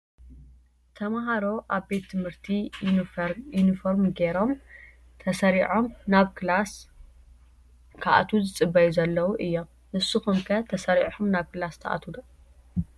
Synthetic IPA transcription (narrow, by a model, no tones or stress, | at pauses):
t̪ʰɐmaɦaɾo̞ʔaβbe̞t̪ʰːɨmhɨɾt̪ʰi | junifoɾmɡeɾo̞m | t̪ʰɐsɐɾiʕomnaβklas | kʰaʔa̰t̪ʰuzɨt͡sʼɨbːɐjuzɐlːɐwuʔɨjːo̞m | ʔɨsɨxumkʰɐt̪ʰɐsɐɾiʕħumnaβkɨlast̪ʰɐ̰ʔa̰t̪ʰulu